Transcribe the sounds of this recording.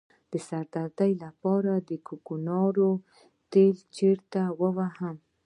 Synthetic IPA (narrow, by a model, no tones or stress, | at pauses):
d̪̥əsaɾd̪aɾt̪ajlapɑɾad̪əkukunɑɾo | t̪elt͡ʃeɾt̪awəwahəm